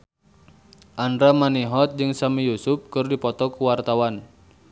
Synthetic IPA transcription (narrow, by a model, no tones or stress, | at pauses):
ʔandɾamaniɦɔt̪̚d͡ʒɨŋsamijusʊp̚kɨrdipɔt̪ɔkuwart̪awan